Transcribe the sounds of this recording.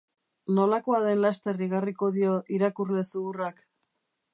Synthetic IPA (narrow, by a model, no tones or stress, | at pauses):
no̞lako̞aðe̞nlast̪e̞riɣariko̞ðio̞ʔiɾakurle̞suɣurak